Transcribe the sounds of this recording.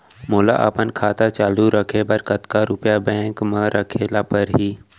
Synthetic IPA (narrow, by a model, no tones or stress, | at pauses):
moːla̰ʔə̰pənkʰaːt̪at͡ʃaːluɾəkʰebɐɾkɐt̪kaɾʊpjabɛ̃ːŋkmə̃ɾʔəkʰeːlapɐɾɦiː